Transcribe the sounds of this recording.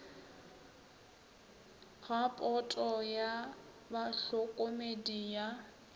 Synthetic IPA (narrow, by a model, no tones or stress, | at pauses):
ɣapʼɔtʼɔja | baɬɔkʼomedija